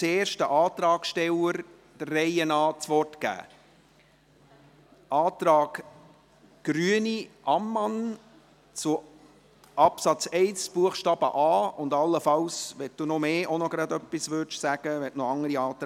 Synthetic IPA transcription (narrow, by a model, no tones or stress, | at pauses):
t͡seːɾʃtəʔɑːt̪ɾɑːɡʃtɛləɾ | d̥ərːɛɪənɑːt͡sʋɔrtɡ̥æ̰ː | ʔɑːt̪ɾɑːɡ̥ | ɡ̥ɾyəniʔɑmːɑn | t͡sʊ | ʔɑpsɑt͡sɛɪsb̥uəχʃtɑːb̥ə̰ʔɑːʊndɑlːəfɑwsʋɛt̚d̥unɔmeːʔonɔɡ̥ɾɑd̪œpːisʋʏːdʃsæɡ̥əʋɛtnɔɑŋəɾiɑːt̪